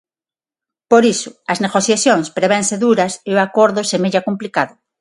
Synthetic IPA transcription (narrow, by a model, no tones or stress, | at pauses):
poɾisʊɐzneɣoθjaθjoŋspɾeβẽnseðuɾɐsewakoɾðosemeʎakomplikaðʊ